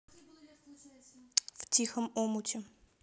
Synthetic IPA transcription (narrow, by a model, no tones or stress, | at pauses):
ftʲixəmomʊtʲɪ